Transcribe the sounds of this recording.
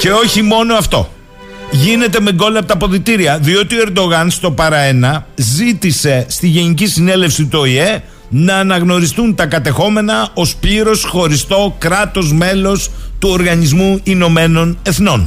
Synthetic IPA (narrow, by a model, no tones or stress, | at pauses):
ce̞o̞çimo̞no̞ɐft̪o̞̰ | ʝine̞t̪e̞me̞ɡo̞lɐp̚t̪ɐpo̞ðit̪iɾiɐðio̞t̪ioe̞ɾd̪o̞ɣɐnst̪o̞pɐɾɐe̞nɐzit̪ise̞st̪iʝe̞nicisine̞le̞fsit̪uoie̞ | nɐːnɐɣno̞ɾist̪unt̪ɐkɐt̪e̞xo̞me̞nɐo̞spliɾo̞sxo̞ɾist̪o̞kɾɐt̪o̞zme̞lo̞st̪uoɾɣɐnizmuino̞me̞no̞ne̞θno̞n